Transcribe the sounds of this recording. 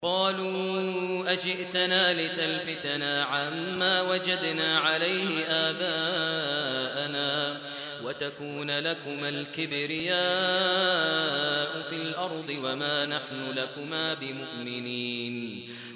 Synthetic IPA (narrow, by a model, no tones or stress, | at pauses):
qɑːluːʔad͡ʒɪʔt̪anaːlɪt̪alfɪt̪anaʕamːaːwad͡ʒad̪naːʕalajhɪʔaːbaː | ʔanaː | wat̪akuːnlakʊmalkɪbɾɪjaː | ʔʊfɪlʔɑɾˤd̪ˤɨwamaːnaħnʊlakʊmaːbɪmʊʔmɪniːn